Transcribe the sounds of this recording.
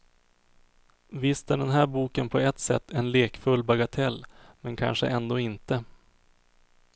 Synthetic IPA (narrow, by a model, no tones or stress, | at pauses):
vɪst̪æɖɛnɦæːɾbuːkənpʰɔɛt̪sɛ̰t̪ʰːɛnleːkfɵlːbaɡat̪ʰɛlːmɛnkʰa̰nʂə̰ʔɛnd̪oːɪnt̪ə